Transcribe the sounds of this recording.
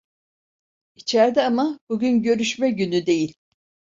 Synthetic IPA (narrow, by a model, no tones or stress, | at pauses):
it͡ʃʰæɾd̪ɛamab̥uɟynɟø̞ɾyʃmɛɟynyd̪e̞jilʲ